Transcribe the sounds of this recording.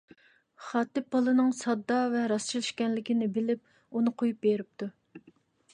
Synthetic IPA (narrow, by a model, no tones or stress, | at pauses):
χɑːt̪ɪpɑlˠɨnɨŋsɑd̪ːɑvɛɾɑst͡ʃʰilˠiʃkʲɛnlɪkʲinɪbɪlɪp̚ | unɨqʰojup̚beɾɪp̚t̪ʰu